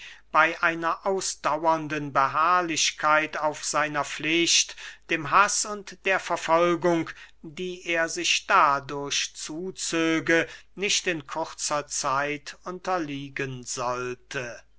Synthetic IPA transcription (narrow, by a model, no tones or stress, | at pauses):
b̥aɪʔaɪnɐʔaʊsd̥awɐndənbəɦaːɐlɪʃkʰaɪtaʊfz̥aɪnɐflɪʃtd̥eːmɦasʊntd̥eːɐfɛɐfɔlɡʊŋk | d̥iːʔeːɐzɪʃd̥adʊɐɕt͡suːt͡søːɡənɪʃtɪnkʰʊʁt͡sɐt͡saɪtʰʊntɐliːɡənzɔltʰə